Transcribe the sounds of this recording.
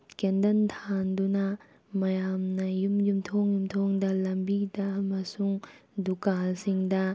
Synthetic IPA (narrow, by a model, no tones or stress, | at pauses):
kendɐntʰandunɐ | mɐjamnɐjumjumtʰoŋjumtʰoŋdɐlɐmbidɐmɐsuŋdukalsiŋdɐ